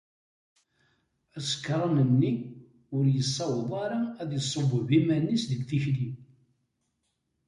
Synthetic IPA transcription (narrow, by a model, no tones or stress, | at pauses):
æsə̥kːɾˤɑnənːi | ʊɾjəsˤːɑwðˤɑɾˤɑæðjəsˤːovvimænisðəɡθiçli